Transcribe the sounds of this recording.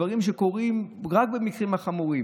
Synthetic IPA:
vaʁimʃeko̞ʁimʁak̚be̞mikʁimhaχamuʁi

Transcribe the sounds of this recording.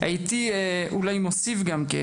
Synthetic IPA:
a̰jit̪iʔulajmosifɡamkḛ

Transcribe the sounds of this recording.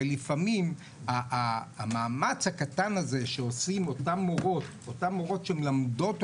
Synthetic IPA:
elifamim | aː | maːmat͡shakatanaze̞ʃeo̞simo̞tamoʁo̞t̪ | otamoʁo̞tʃeemelamdo̞t

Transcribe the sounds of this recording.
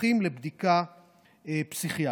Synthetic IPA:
imlebd̪ika | epsiχia

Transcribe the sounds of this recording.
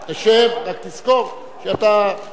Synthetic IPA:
t̪aʃevkat̪iskof | ʃeat̪a

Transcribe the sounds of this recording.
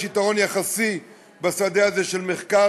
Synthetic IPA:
ʃit̪aʁo̞njaχasi | basad̪eaze̞ʃe̞lmeχka

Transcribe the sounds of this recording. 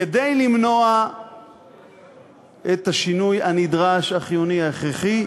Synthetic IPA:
edejlimno̞a | et̪aʃinujanid̪ʁaʃaχijuniaeχʁeχi

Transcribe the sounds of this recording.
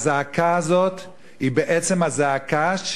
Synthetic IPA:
zeakaazo̞t̪ | hibeʔet͡semhazeakaʃ

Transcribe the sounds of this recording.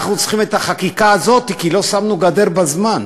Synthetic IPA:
χnut͡sχimet̪aχakikaːzo̞t̪ikilo̞samnuɡad̪e̞ʁbazman

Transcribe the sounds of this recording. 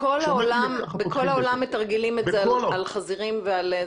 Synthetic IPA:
ko̞lhaolambekʰo̞laolamːet̪aʁɡilimetzeaalχaziʁimveale

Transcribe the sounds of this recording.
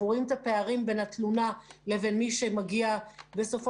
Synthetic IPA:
uʁimt̪ape̞aʁimbe̞nhat̪lunale̞ve̞nmiʃemaɡiabe̞so̞fo

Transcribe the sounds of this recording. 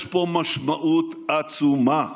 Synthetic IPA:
pomɐʃmɐʔut̪at͡suma

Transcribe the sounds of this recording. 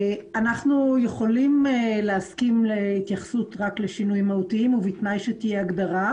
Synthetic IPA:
anaχnujeχo̞limleaskimlehit̪jaχsutʁakleʃinujimahut̪iimuvit̪najʃet̪ijeaɡd̪aʁa

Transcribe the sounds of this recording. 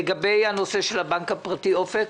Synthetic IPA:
eɡabejhano̞se̞ʃelabaŋkapʁat̪iofek

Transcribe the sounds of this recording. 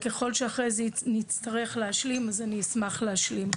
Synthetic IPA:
keχo̞lʃeaχʁejzenit͡staʁe̞χleaʃlimazaniismaχleaʃlim

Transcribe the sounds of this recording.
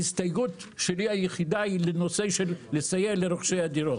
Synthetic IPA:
ist̪ajɡut̪ʃeliajeχid̪ailenose̞ʃelːesajeleɾoχʃejad̪iɾot

